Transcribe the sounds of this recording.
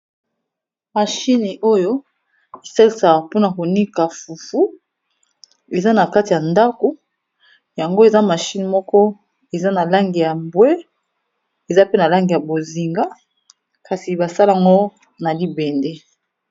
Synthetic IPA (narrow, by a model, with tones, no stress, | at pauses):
ma˨ʃi˦ni˨ʔo˦jo˦ | i˨sa˦li˨sa˨po˦na˨ko˨ni˦ka˨fu˨fu˦ | e˨za˦na˨ka˦ti˨ja˨nda˦ko˨ | ja˨ŋɡo˦e˨za˦ma˨ʃi˦ni˨mɔ˦kɔ˦ | e˨za˦na˨la˦ŋɡi˨ja˨mbwe˦ | e˨za˦pe˦na˨la˦ŋɡi˨ja˨bo˨zi˨ŋɡa˦ | ka˨si˨ba˨sa˦la˨a˨ŋɡo˦ | na˨li˦be˨nde˦